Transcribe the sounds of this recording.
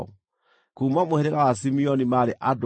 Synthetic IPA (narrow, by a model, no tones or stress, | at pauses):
kuːmamohɛɾɛɣawas̬imiɔnimaɾeʔad